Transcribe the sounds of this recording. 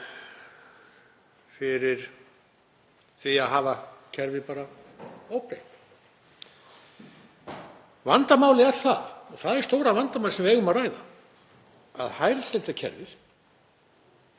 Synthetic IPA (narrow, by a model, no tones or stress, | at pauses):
fɪɾɪɾ̥ | θviaðɦaːvacʰɛɾvɪpaːɾaowpɾejht̪ | vant̪amaːwlɪɛɾθa̰ðɔɣθaðɛɾ̥st̪owɾavant̪amawlsɛmvɪɛːɣʏmaraːjða̰ | a̰ðhaːjɾsɛlt̪acʰɛ̰ɾvɪð̥